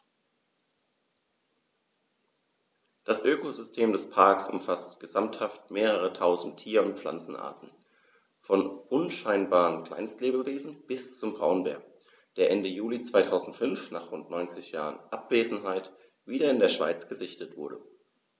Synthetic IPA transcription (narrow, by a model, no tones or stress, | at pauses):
d̥asʔøːkozʏstʰeːmdɛspʰaɐksʊ̰mfastɡ̥əzamthaftmeːʁəʁ̞ətʰaʊzn̩tʰiːɐʊntp͡fl̥a̰nt͡sn̩ʔa̰ɐtn̩ | fɔnʔʊnʃaɪnbaːʁəmkl̥a̰ɪnstleːbəveːzn̩b̥ɪst͡sʊmbʁaʊnbɛ̰ɐk | d̥eːɐʔɛndəjuːlit͡sv̥aɪtʰaʊzn̩tfʏnfnaːχʁ̥ʊntnɔʏnt͡sɪçja̰ːʁə̰nʔapv̥eːzn̩ɦaɪt | viːɾɐɪndeːɐʃv̥a̰ɪt͡sɡ̥əzɪçtətv̥ʊɐɾə̰